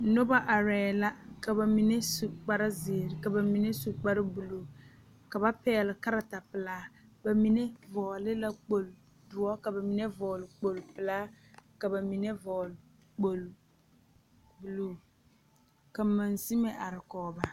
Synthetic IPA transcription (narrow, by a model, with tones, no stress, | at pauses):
no˦ba˦ʔa˨ɾɛː˨la˦ka˨ba˨mi˨ne˦su˨k͡pa˦ɾa˦zɪ˨ɾɪ˨ka˨ba˨mi˨ne˦su˨k͡pa˦ɾɪ˦bu˨loː˨ | ka˨ba˦pɛː˦˨lɪ˨ka˦ɾa˨ta˨pɪ˨laː˦ba˨mi˨ne˦vɔː˨lɪ˦la˦k͡po˨l | dʊ˨ɔ˦ka˨ba˨mi˨ne˦vɔː˨lɪ˨k͡po˨lpɪ˨laː˦ | ka˨ba˨mi˨ne˦vɔ˨l | k͡po˨l | bu˨loː˦˨ | ka˨ma˨nsi˦mɛ˨ʔa˨ɾɪ˨kɔː˨ba˦˨